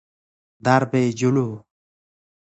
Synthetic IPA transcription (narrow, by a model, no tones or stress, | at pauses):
d̪aɾbed͡ʒulu